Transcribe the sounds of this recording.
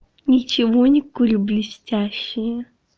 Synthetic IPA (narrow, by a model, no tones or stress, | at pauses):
nʲɪt͡ɕɪvonʲɪkulʲblʲɪsʲtʲæɕːɪjə